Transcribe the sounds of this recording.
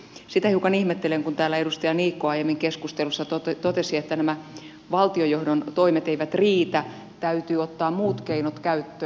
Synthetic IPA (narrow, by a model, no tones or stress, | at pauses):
sit̪æhiukɑnihmet̪ːeleŋkunt̪æːlæedust̪ɑjɑniːkːoɑijemːiŋkeskust̪elusːɑt̪ot̪t̪ot̪esiet̪ːænæmæ | ʋɑlt̪iojohdont̪oimet̪eiʋæt̪riːt̪æ | t̪æyt̪yːot̪ːɑːmmuːt̪keinot̪kæyt̪ːøː